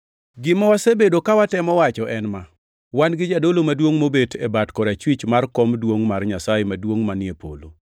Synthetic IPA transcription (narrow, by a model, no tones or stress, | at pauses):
ɡɪmawasebedokawatɛmɔwat͡ʃɔʔɛnma | wanɡɪd͡ʒadolomadwoŋmobetʰebatkɔɾat͡ʃwit͡ʃmarkɔmdwoŋmarɲasajemadwoŋmanɪepo̰lo̰